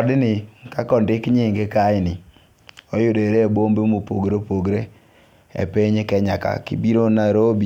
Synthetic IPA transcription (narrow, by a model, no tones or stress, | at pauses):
ɔdɪnɪkakɔndɪkɲɪŋɡekajnɪ | ojʊdeɾebombemopo̰ɡɾopoɡɾe | ɛ̰peɲekɛɲaka̰kḭbiɾonaɾobi